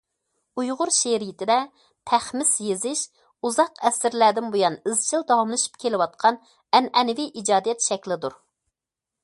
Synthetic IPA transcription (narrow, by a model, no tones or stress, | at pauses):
ujʁʊɾʃeɾijit̪ʰɪd̪ɛ | t̪ʰæχmɪsjezɪʃ | uzɑqɛsɪɾlæd̪ɪnbojɑnɪzt͡ʃʰild̪ɑwɑmlˠɨʃu̥p̚kʲʰelɪwɑt̪̚qʰɑn | ɛnɛnviʔid͡ʒɑːd̪ijɛt̪ʃɛkʲlɪd̪uɾ